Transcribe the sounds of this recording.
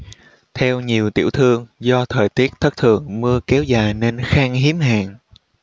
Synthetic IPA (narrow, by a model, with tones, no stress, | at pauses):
t̪ʰɛ˧wɲi˨˩əwt̪ḭ˧˩əwt̪ʰɨ˧əŋzɔ˧t̪ʰəː˨˩jt̪i˦˥ək̚t̪ʰə˦˥k̚t̪ʰɨ̰˨˩əŋmɨ˧əkɛ˨˦wzaː˨˩jne˧nxaː˧ŋɦi˨˦əmɦa̰ː˧˩ŋ